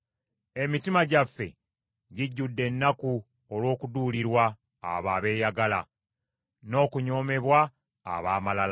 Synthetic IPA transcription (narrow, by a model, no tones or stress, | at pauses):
e̞mitimaɟafːe̞̰ | ɟiɟːudːe̞nːaku | olwo̞ːkuduːliɾwa̰ː | βaːβe̞ːjaɡala̰ | no̞ːkuɲo̞ːme̞βwa̰ː | βaːmalala